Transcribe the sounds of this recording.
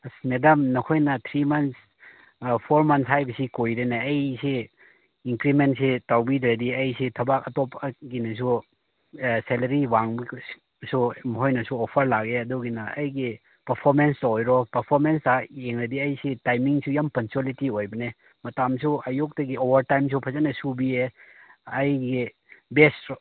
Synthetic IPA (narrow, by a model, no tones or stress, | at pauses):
smedɐmnɐkʰojnɐt̪ʰɾimɐns | pʰoɾmɐnshajbɐsikojɾenɐːjse | iŋkɾimentsetawbid̪ɾɐdiɐjsetʰɐbakɐtɔpɐɡinɐs̬u | selɐɾiwaŋbi | sumɦojnɐsuopʰɐɾlaɡeɐduɡinɐɐjɡi | pɐɾpʰoɾmenstɐojɾɔpɐɾpʰoɾmenstaeŋɾɐdiɐjsetajmiŋsujampɐŋsuolitiojbɐne | mɐtamsuɐjuk̚tɐɡiobɐɾtajms̬ʰupʰɐzɐnɐsubie | ɐjɡi | best